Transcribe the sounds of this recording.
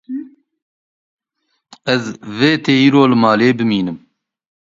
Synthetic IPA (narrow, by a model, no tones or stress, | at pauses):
ɛzveːt̪ʰeːiːɾoːlɨmɑːleːbɨmiːnɨm